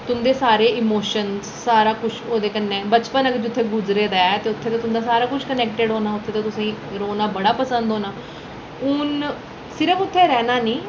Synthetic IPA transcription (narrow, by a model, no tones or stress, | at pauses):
t̪ʊnd̪eːsaːɾeːɪmoːʃənsːaːɾaːkʊt͡ʃʰoːd̪eːkənːẽːbət͡ʃpənəkd͡ʒʊt̪ʰːeːɡʊd͡ʒɾeːd̪aːɛt̪eːʊt̪ʰːeːt̪ːt̪ʊnd̪aːsaːɾaːkʊt͡ʃʰkənɛːk̚ʈəɖɦoːnaːʊt̪ʰːeːt̪ãt̪ʊsẽːɾoːnaːbəɽaːpəsənd̪ɦoːnaː | ʊn | sɪɾəpʊt̪ʰːeːɾɛːnaːnĩː